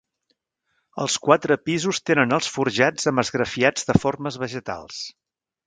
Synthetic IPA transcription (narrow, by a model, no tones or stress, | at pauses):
ə̰lˠskwat̪ɾəpizust̪enənəlˠsfuɾʒad͡zəməzɣɾəfiad͡zðəforməzβəʒət̪a̰lˠs